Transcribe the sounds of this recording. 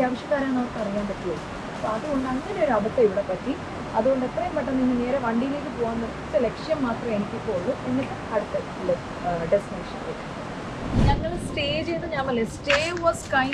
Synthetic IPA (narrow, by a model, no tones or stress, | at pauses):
jaːʋɐɕjɐkːaːɾɐmnɐmɐrkːɨɐrijːaːnpɐtːijɐɭu | ɐpːoɐðuɣo̞ɳɖɨɐŋːɐne̞oɾɐbɐt̪ːeiʋiɽepɐtːi | ɐðuɣo̞ɳɖɨet̪rɐjumpːɐʈːɐniŋːɨne̞ːɾeʋɐɳɖijile̞ːk̬ʲːɨpoːɣaːnːɐðɨsɐlekʂjɐmmːaːt̪rɐme̞nikʲːipːouɭːɨenːɐʈːeɐɽut̪ːɐ | ilːɐ | ɖestineːʂɐnekːɐ | ɲɐŋːɐɭsʈe̞ːd͡ʑejnːɨɲaːmɐlːesʈeːʋɐːskɐj